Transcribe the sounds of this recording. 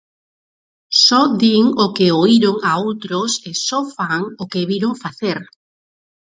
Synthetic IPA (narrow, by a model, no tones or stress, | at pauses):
sɔd̪iŋokeoiɾʊŋaowt̪ɾʊsesɔfaŋokeβiɾoŋfaθeɾ